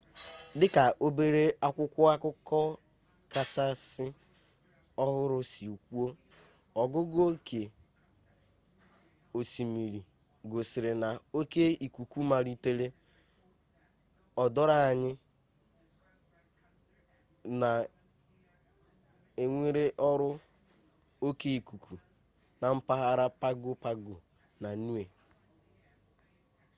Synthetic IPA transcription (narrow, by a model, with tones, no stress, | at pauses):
dɪ˦ka˨ʔo˦be˦ɾe˦a˦kʷʊ˦kʷʊ˦a˦kʊ˦kɔ˦ | ka˨t͡ʃa˦sɪ˦ | ɔ˦ɦʊ˦ɾʊ˦si˨u˨kʷu˦o˦ | ɔ˨ɡʊ˦ɡo˦kʰe˨ | o˨si˨mi˨ɾi˨ | ɡo˨sɪ˨ɾɪ˨na˨o˦ke˦i˨kʷu˨ku˦ma˨ɾi˦te˦le˦ | ɔ˨dɔ˦ɾa˦a˨ɲɪ˦ | na˨ | e˨ŋʷe˦ɾe˦ʔɔ˦ɾʊ˦ | o˦ke˦i˨ku˨ku˨ | na˨m̩˦pa˦ɦa˦ɾa˦pa˦ɡʊ˦pa˦ɡʊ̰˨ | na˨nu˦e˨